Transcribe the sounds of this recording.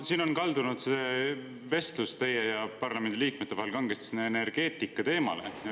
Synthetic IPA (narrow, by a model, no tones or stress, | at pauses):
siːno̞nkɑld̪unud̪̥se | ve̞st̪lust̪e̞jːejɑpɑrlɑme̞nd̪iliːk̚met̪ːe̞ɑhelkɑŋɡest̪sinːeene̞rɡ̥e̞ːt̪ːˑikːˑɑt̪e̞ːmɑ̰lḛ